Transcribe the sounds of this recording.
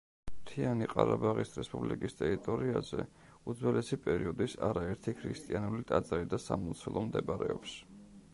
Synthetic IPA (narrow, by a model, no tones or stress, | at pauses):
mt̪ʰianiqʼaɾabaʁisɾɛspʼublikʼist̪ʼɛɾit̪ʼɔɾiazɛ | ud̪zwɛlɛsipʼɛɾiɔd̪isaɾaɛɾt̪ʰikʰɾist̪ʼianulit̪ʼad̪zaɾid̪asamɔnt̪sʰɛlˠɔmd̪ɛbaɾɛɔps